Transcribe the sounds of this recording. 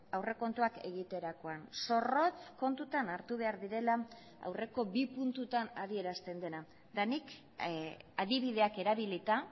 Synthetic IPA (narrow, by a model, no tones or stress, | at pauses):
awre̞ko̞nt̪uake̞ɣit̪e̞ɾako̞anso̞ro̞t͡sko̞nt̪ut̪anaɾt̪uβ̞e̞aɾðiɾe̞la | a̰wre̞ko̞bipunt̪ut̪anaðie̞ɾast̪e̞nd̪e̞na | d̪anik | aðiβ̞ið̞e̞ake̞ɾaβ̞ilit̪a